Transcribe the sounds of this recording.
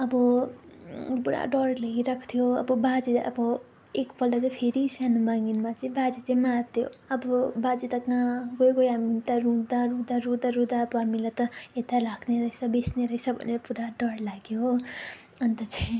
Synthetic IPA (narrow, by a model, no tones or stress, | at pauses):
ʌbʌ | puɾa̰ɖʌɽleiɾakʰt̪ʰijoʌ̰bʌbad͡ziʌ̰bʌ | ekpʌlɖat͡saĩpʰeɾisjanumaŋɡinmat͡sʌĩbad͡zit͡sʌĩmat̪ʰjo̰ʌbʌbad͡zit̪ʌkãɡojɡojɦamint̪ʌɾũd̪aɾud̪aɾud̪aɾud̪aːbʌɦamilajt̪ʌet̪alakʰneɾʌjsabesneɾʌjsabʱʌ̰neɾʌpuɾaɖʌɽlaɡjo | ʌnt̪ʌt͡sʰaĩ